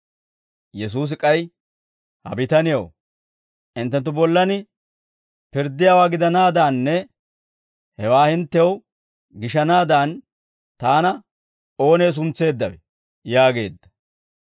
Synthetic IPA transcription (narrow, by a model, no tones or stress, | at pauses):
jɛs̬uːs̬ɪkʼɐj | hɐ̰bɪt̪ɐnɪjɐ̰w | ʔɪnt̪ːɛnt̪̬ːʊbɔlːɐnɪ | pɪɾd̪ːɪjaːwaːɡɪd̪ɐnaːd̪aːnːɛ | hɛwaːhɪnt̪ːɛw | ɡɪʃɐnaːd̪aːn | t̪aːnɐ | o̞ːne̞ːs̬ʊnt͡sːe̞ːd̪ːɐwɛ | jaːɡe̞ːd̪ːɐ̥